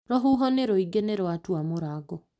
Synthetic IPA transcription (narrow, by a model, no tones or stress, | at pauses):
ɾɔɦuɦɔneɾoiɡeneɾwatwamoɾaɡɔ